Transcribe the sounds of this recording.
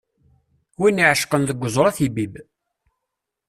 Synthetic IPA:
winːiʕəʃqənðəɡʷːəzˤɾˤæθibib

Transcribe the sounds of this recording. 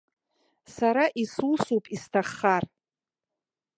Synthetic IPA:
saɾaʔisusupʼistʰaχːar

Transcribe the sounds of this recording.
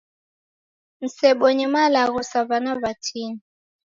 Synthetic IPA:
n̩sɛɓɔɲimalaɣusaβanaβatʰini

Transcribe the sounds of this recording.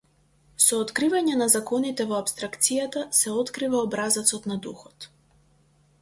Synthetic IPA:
sɔːt̪kɾivaɲɛnazakɔnit̪ɛvɔapst̪ɾakt̪sijat̪asɛɔt̪kɾivaɔbɾazat̪sɔt̪nad̪uxɔt̪

